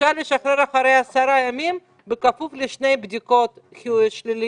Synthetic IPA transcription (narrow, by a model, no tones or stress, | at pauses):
ʃaɾleʃaχɾeɾaχaɾejasaɾajamim | bekafufleʃnejbd̪ikot̪kiʃlili